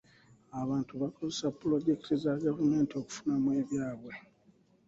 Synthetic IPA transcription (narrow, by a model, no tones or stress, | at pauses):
aβaːntuβako̞zesapːulo̞ɟe̞kitizaɡavume̞ːntio̞ku̥funamwe̞ːβjaːβwe̞